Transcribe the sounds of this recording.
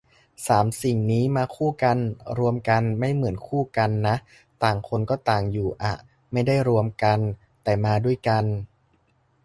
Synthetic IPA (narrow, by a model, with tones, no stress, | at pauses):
saː˩˦msi˨˩ŋniː˦˥maː˧kʰuː˥˩ka˧nɾu˧əmka˧nma˥˩jmɯ˩˦ənkʰuː˥˩ka˧nːa˦˥ʔ | t̪aː˨˩ŋkʰo˧nkɔː˥˩t̪aː˨˩ŋjuː˨˩ʔa̰˨˩ | ma˥˩jda˥˩jɾu˧əmka˧n | t̪ɛː˨˩maː˧du˥˩əjka˧n